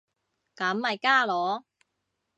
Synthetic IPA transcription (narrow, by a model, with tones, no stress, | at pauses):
kɐ˨˥mːɐ˨jkaː˥lɔː˨˧